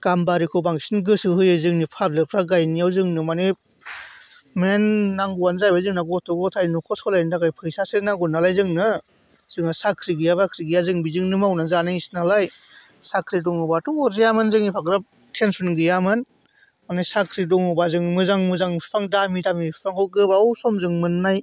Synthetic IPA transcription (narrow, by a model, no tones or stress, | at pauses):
ɡ̥ambaɾikʰɔbaŋsinɡɯsɯɦɯjɯzɯŋnipʰableɾpʰɾaɡajnijawzɯŋnɯmanɯ | menːaŋɡuanzajbazɯŋnaɡɔtʰɔɡɔtʰajnukʰɔsɔlajndakajpʰɯjsasɯnaŋɡunalajzɯŋnɯ | z̥ɯŋasakʰɾiɡɯjabakʰɾiɡɯjazɯŋbizɯŋnɯmawnazanasnalaj | sakʰɾidɔŋɯbatuɔzijamɯnzɯŋnipʰaɡɾap̚ | tʰensunɡɯjamɯn | manɯjsakʰɾidɔŋɯbazɯŋmɯzaŋmɯzaŋpʰaŋdamidamipʰaŋɔɡɯbawsɔmzɯŋmɯnːaj